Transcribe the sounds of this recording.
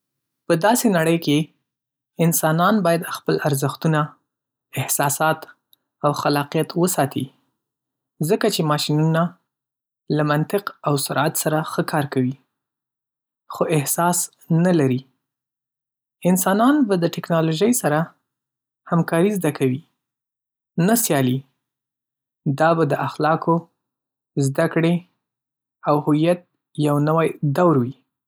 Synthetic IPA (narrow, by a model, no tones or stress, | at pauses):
pəd̪ɑsenaɽəjke | ɪnsɑnɑnbɑjad̪xpəlaɾzəxt̪una | ɪhsɑsɑt̪ | awxalɑqijat̪wəsɑt̪ʰi | zəkat͡ʃemɑʃinuna | lamant̪ɪqawsaɾat̪saɾaxəkʰɑɾkawi | xoʔɪhsɑs | nalaɾi | ɪnsɑnɑnbad̪əʈɪknɑloʒəjsaɾa | hamkɑɾizd̪akawi | nasjɑli | d̪ɑbad̪əʔaxlɑko | zd̪akɽe | awhʊijat̪̚ | jawnawajd̪awɾwi